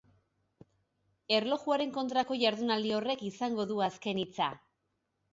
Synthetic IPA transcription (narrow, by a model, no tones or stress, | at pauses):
e̞rlo̞ɣuaɾe̞ŋko̞nt̪ɾako̞ʝaɾðunald̪io̞re̞kisaŋɡo̞ðuaske̞nit͡sa̰